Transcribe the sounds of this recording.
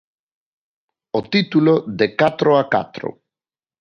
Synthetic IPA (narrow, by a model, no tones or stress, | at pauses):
ot̪it̪uloðekat̪ɾoaka̰t̪ɾo̰